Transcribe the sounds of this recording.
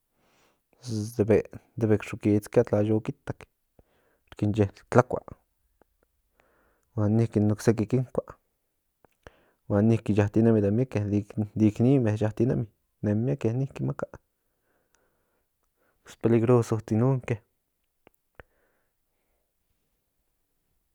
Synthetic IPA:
d̪ebed̪ebekʂukit͡skjat̪lajokit̪ak | ɾkind͡ʒet̪lakʷa̰ʔ | wanikinuksek̬ikiŋkʷa | wanihkijaht̪inemid̪emjakelid̪iknimejaht̪ina̰mi | nemjakenihkimakaʔ | speliɡɾosot͡s̪inuŋke

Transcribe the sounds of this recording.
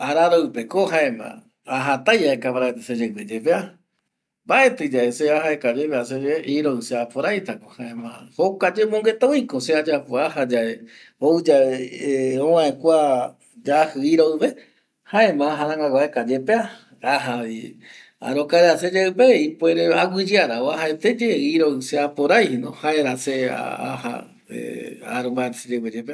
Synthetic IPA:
aɾaɾoɨpekoɦaẽmã̰ | aɦat̪ajaekapaɾaet̪ased͡ʒaɨped͡ʒepea | baʔe̞t̪ɨd͡ʒaeseahaekad͡ʒepeas̬ed͡ʒeʔiɾoɨseapoɾajt̪akohaẽmã̰hokad͡ʒemõŋɡet̪awikosead͡ʒapoahad͡ʒae | oɨd͡ʒa | õwãẽkʷa | d͡ʒahɨiɾoɨβe̞ | haẽmãːɦaɾãŋɡaɡaekad͡ʒepea | aɦai | a̰ɾokaeɾased͡ʒeɨbeipoeɾeaɡʷid͡ʒiaɾaoaɦaet̪ed͡ʒeiɾoɨseapoɾajhenohaeɾasea̰a̰ha̰ | ḛa̰ɾombaeɾsid͡ʒewed͡ʒepe

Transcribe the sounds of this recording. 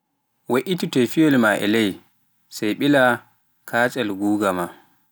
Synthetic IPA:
weʔititɛfiwɛlmaʔɛ̰lɛj | sɛjɓila | kʰaːt͡ʃʼɛlɡuːɡama

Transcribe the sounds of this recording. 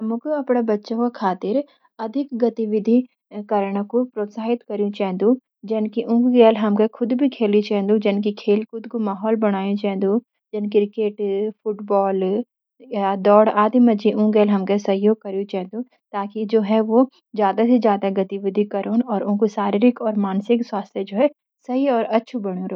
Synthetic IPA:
ɐmõkoɐpɽabɐtːʃõkokʰaːt̪ɪɾ | ɐd̪ʱɪkɡɐt̪iʋɪd̪ʱi | kɐɾɽ̃kopɾoːt̪saːɦɪt̪kɐɾjũt͡ʃɛ̃ːnd̪ũ | d͡ʒɐnkiʔũːkɡɛːlɦɐmkakʰʊd̪bʱikʰeːlĩt͡ʃɛːɦnd̪ũd͡ʒɪnkikʰeːlkʊd̪komaːɦɔːlbɐɽ̃aːjũt͡ʃɛːnd̪ũ | d͡ʒɪnkɪɾɪkeːʈfʊʈbɔːl | ad̪ɔːɽaːd̪imɐd͡ʒiʔũːɡɛːlɦɐmkasɐɦjoːɡ̚kɐɾjũt͡ʃɛɦnd̪ũ | t̪aːkid͡ʒoːɦɛʋo | zjaːd̪ased͡ʒjaːd̪aɡɐt̪iʋɪd̪ʱikɐɾoːnɔːɾʊ̃nkosaːɾɪɾɪkɔːɾmaːnsɪkswaːst̪ʰjed͡ʒoːɦɛ | sɐɦiɔːɾɐtːʃʰubɐɽ̃jũɾo

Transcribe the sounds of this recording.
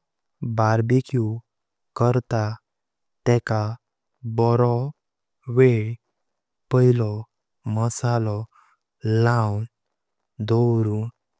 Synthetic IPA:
baɾbekiu | kəɾt̪a | t̪ɛka | bɔɾɔ | ʋe | pəɦilɔ | məsalɔ | lãwn | d̪ɔɾu

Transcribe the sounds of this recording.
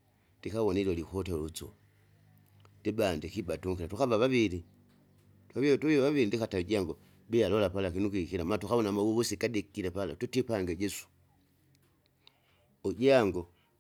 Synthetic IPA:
d̥ikaβɔnilolikoteut͡so̰ | dibandikibatuŋkilatukaβaβaβili | tuaβituaβaβiɾindikatauɟaŋɡo | bijalɔlapalakinukikilamalatuxaβonamawuβusikadikilepala̰tutipaŋɡeɟesu̥ | uɟaŋɡo

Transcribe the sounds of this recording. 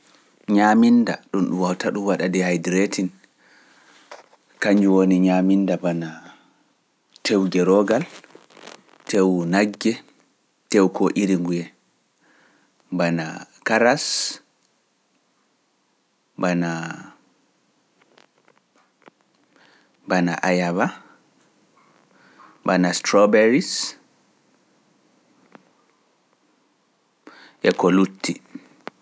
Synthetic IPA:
ɲaminda̰ɗunɗumwawtaɗuwaɗadɛhajdɾetʰin | kaɲd͡ʒuwoniɲamindabana | tʰewɡɛɾɔɡal | tʰewnaɡːɛ | tɛwkɔʔiɾiŋɡujɛ | bana̰kaɾas | bana | bana̰ʔajaβa | banastɾɔbɛɾis | ʔɛkɔlutːi

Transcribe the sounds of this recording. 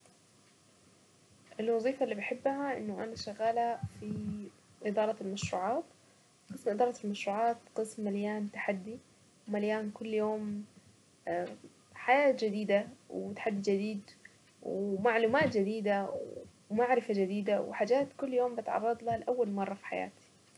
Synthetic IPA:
ʔɪlwɑðˤiːfalːiːbɪħɪbːhaʔɪ̰nːʊʔa̰naʃaɣaːlafi | ʔɪd̪ɑːɾˤɑlmaʃɾṵːʕaːt̪ | qɨsmʔɪd̪ɑːɾˤɑlmaʃɾuːʕɑːt̪qɨsmːaljaːnt̪aħad̪ːi | wmaljaːnkʊlːjoːm | a | ħajaːt̪d͡ʒɪd̪iːd̪awt̪ḁħad̪ːid͡ʒɪd̪iːd̪ | wmaʕluːmaːt̪d͡ʒɪd̪iːd̪aw | maʕɾɪfad͡ʒɪd̪iːd̪awħaːd͡ʒaːt̪kʊlːjoːmbɪt̪ʕɑ̰rˤːɑd̪ˤlahalʔawːalmɑrˤːɑfi̥ħaja̰ːt̪i̥

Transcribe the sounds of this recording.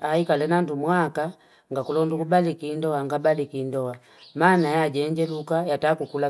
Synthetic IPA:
aikalɛnandumwaka | ŋɡakulɔndukubalikindɔaŋɡabalikindɔa | maːnajaɟɛɲd͡ʒɛlukajatakukula

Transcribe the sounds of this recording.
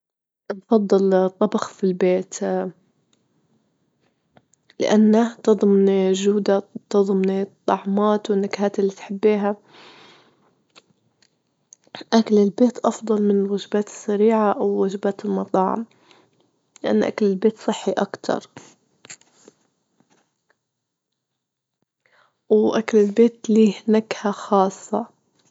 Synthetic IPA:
nfɑd̪ˤːɨlt̪ˤːɑbɑxfilbeːt̪ | lɪ̰ʔanːat̪ɨd̪ˤmniʒuːd̪at̪ɑðˤmnit̪ˤːɑʕmaːt̪wɪnːakhaːt̪ɪlːiːt̪ħɪbːiːɦa | ʔakalɪlbeːt̪ʔɑfd̪ˤɑlmɪnɪwad͡ʒbaːt̪ɪ̥sːaɾiːʕaʔawːad͡ʒbaːt̪ɪlmɑt̪ˤɑːʕa̰m | lɪʔa̰nːʔa̰kalɪlbeːt̪sˤɨħːiʔakt̪ʰɑ̰ɾˤ | wʔakalɪlbeːt̪liːnakhaxɑːsˤːɑ

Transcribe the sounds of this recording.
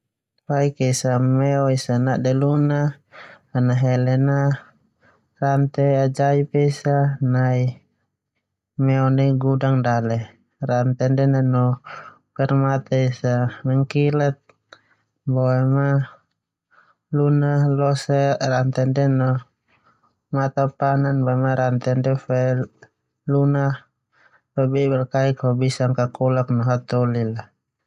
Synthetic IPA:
paikɛisamɛɔisanaʔdɛlunaː | naɦɛlɛna | rant̪ɛad͡ʒaipɛisanai | mɛɔnɛiɡudaŋdalɛ | rant̪ɛndɛnɛnɔ | pɛrmat̪ɛisamɛŋkilɛt̪̚ | bɔɛma | lunalɔsɛrant̪ɛndɛnɔ | mat̪apananbɔɛmaɾant̪ɛndɛfɛ | luna | fabɛbɛrkaikhɔbisaŋkakɔlak̚nɔɦat̪ɔlila

